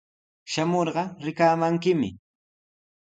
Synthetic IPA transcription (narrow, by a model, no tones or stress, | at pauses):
ʃamoɾɢɑɾɪkaːmaŋkɪmɪ̰